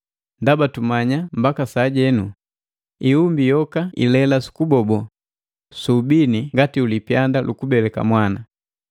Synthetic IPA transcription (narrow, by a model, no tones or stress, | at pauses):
ndabatumaɲambakasaɟɛnu | iumbijɔkaḭlɛlasu̥kubɔbɔ | subiniŋɡatiulipjandalʔukubɛlɛka̰mwana